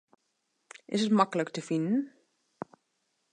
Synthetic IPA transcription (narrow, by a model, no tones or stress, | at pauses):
ʔɪsətmakələktəfindn̩